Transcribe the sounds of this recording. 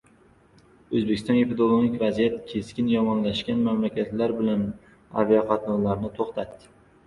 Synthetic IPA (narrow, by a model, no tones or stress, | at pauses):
ɵzbekʲɪst̪ɒneped̪olˠonɪkʲvazijat̪kʲʰe̞skʲɪnjɒmɒnlaʃkʲanmamlakʲat̪laɾbɪlan | a̰viaqʰɑt̪nɒnlaɾnɪt̪ʰoχt̪ʰat̪ːɪ